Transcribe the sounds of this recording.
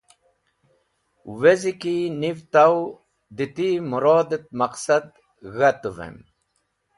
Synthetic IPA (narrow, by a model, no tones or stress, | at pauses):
wezikinivt̪aw | d̪it̪imuɾoːd̪et̪̚mɐqsɐd̪ | ɣat̪əvḛm